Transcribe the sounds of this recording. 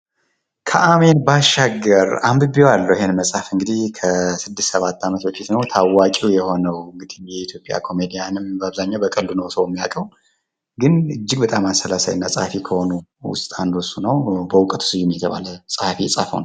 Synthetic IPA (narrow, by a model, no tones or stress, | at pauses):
kʰəʔame̞nbaʃaɡːəɾambɨbjwalːəwɪɦenməsʼafɨŋɡɨd̪ihkʰəsɨd̪ːɨst̪səβat̪ʰːamət̪bəfit̪nəwt̪ʰawːakʼiwjɛho̞nəwɨŋɡɨd̪ijɛit̪ʰjo̞pʼja̰kʰo̞med̪ijanɨmbəaβzaɲːawbəkʼəlːunəwsəwjɛmːija̰kʼəw | ɡɨnɨd͡ʒːɪɡ̚bət̪ʼamansəlasa̰jɨnːasʼəhafikʰəho̞nuwʊ̰st̪ʼand̪usunəwbəwʊkʼət̪ʰu̥sɨjumjɛt̪ʰəβa̰ləsʼəhafijɛsʼa̰fəwnəw